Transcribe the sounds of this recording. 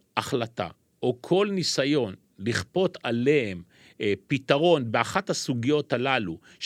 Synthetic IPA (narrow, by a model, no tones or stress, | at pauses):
ʔaχlat̪a̰ | ʔokʰo̞lnisajo̞n | liχpo̞tale̞hem | pitaʁo̞nbeaχathasuɡijo̞thalalu | ʃ